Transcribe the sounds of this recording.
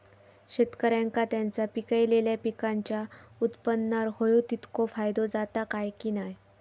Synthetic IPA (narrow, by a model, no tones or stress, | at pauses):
ɕet̪kəɾjãŋkat̪jant͡sapikəjleljapikaɲt͡ɕjaut̪pənːaɾhojut̪it̪kofajd̪od͡zat̪akajkiːnaj